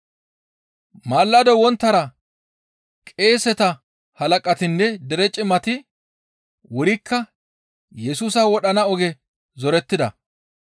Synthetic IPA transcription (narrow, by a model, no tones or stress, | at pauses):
maːlːɐd̪ɔwɔnt̪ːɐɾɐ | kʼe̞ːsɛt̪ɐ | hɐlɐkʼɐt̪ɪnːɛd̪ɛɾɛt͡ʃʼɪmɐt̪ɪ | wʊɾɪkʰːɐ | jɛsuːsɐwɔɗɐnɐɔɡɛ | zɔɾɛt̪ːɪd̪ɐ